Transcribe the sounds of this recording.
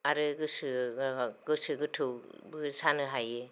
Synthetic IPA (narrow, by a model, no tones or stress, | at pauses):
aɾɯɡɯsɯ | ɡɯsɯɡɯtʰɯwbɯsanɯɦajɯ